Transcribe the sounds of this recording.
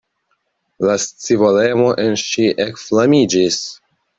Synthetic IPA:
last͡sivole̞mo̞ʔe̞nʃiʔekflamid͡ʒis

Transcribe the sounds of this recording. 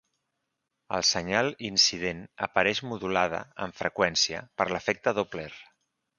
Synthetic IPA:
əlˠsəɲalˠinsið̞enəpəɾɛʃmuðulað̞ə̰əɱfɾəkwɛnsiə̰pəɾləfɛk̚t̪əðopler

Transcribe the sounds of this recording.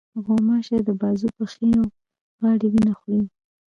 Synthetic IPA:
ɣomɑʃed̪əbɑzupəxeno | ɣɑɽiwinaxɽi

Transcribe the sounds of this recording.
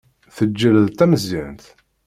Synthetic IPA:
θəd͡ʒːələðt̪æməzːiʕənt̪

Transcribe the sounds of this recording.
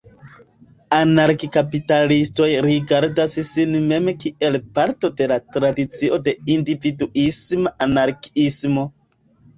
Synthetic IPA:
anaɾkikapitalisto̞jɾiɡaɾdassinme̞mekiʔe̞lpaɾto̞de̞latɾadit͡siʔo̞de̞individuismaʔanaɾkismo̞

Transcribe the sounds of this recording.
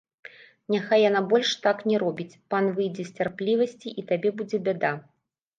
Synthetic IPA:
nʲaxajːanabɔlʲʂt̪aknʲɛɾɔbʲit͡sʲpanvɨjd͡zʲɛsʲt͡sʲarplʲivɐsʲt͡sʲiʔit̪abʲɛbud͡zʲɛbʲad̪a

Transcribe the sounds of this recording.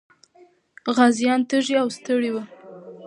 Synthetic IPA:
ɣazjɑnt̪əʒiawst̪əɽiwə

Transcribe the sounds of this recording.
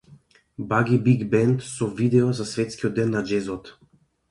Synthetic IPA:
baɡʲibiɡbɛnt̪sɔvid̪ɛɔzasvɛt̪skiɔd̪ːɛnːad͡ʒɛzɔt̪

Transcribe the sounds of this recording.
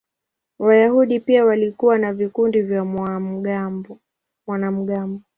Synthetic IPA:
wajahuɗipiawalikuwanavikundivja | a | mwanam̩ɠambɔ

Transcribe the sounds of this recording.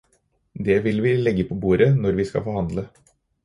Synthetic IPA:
d̪ɛʋɪlʋɪlɛɡːəpʰɔbuːɾʔənɔɾʋɪskɑ̰fɔɾhɑnd̪lə

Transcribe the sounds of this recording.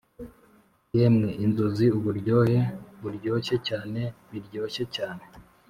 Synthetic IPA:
jeːmŋeʔinzoziuβuɾɟo̞ːheβuɾɟo̞ːɕe̞caːne̞βiɾɟo̞ːɕe̞caːne̞

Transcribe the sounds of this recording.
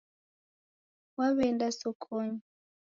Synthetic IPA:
waβɛndasɔkʰʼɔɲi

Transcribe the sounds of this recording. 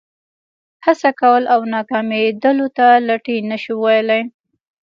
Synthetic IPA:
hasakawəlʔawnɑkɑmed̪əlot̪alaʈinəʃiwajlaj

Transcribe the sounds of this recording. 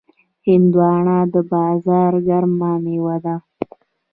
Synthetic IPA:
hɪnd̪wɑɳɑd̪əbɑːzɑːɾɡaɾmɑnewad̪a

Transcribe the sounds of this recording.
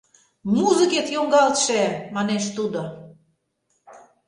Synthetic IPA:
muzə̆ket̪joŋɡɑlt̪ʃemɑneʃt̪ud̪o

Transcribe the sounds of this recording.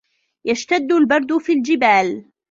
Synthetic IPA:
jaʃt̪ad̪ːʊlbɑɾˤd̪ʊfiːld͡ʒɪbaːl

